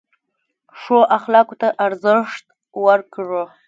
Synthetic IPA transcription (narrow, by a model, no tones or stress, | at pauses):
ʂoʔaxlɑkot̪aʔaɾzəʂt̪̚ | wəɾkʐo